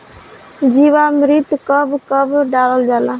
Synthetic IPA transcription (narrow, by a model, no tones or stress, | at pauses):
d͡ʒiːʋamɾit̪kəbkəbɖaːləld͡ʒaːla